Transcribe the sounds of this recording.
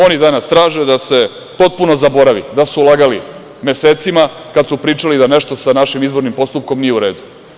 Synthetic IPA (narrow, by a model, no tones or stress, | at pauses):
o̞nid̪anast̪ɾaːʒed̪ase̞ | po̞t̪̚puno̞zabo̞ɾaʋḭd̪asuulˠaɡali | me̞seːt̪sima | kad̪supɾiːt͡ʃalid̪aneʃt̪o̞sanaʃimizbo̞ɾnimpo̞st̪up̚ko̞mnijeuɾe̞ːd̪u